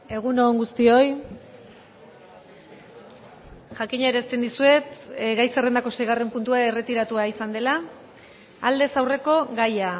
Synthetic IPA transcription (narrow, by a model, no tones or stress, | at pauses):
e̞ɣ̞unoŋɡust̪io̞j | ʝakiɲaeɾest̪end̪isue̞t̪ɡajsere̞nd̪ako̞se̞jɣ̞are̞mpunt̪uae̞re̞t̪iɾat̪uaisand̪e̞laː | ld̪e̞sawre̞ko̞ɣaja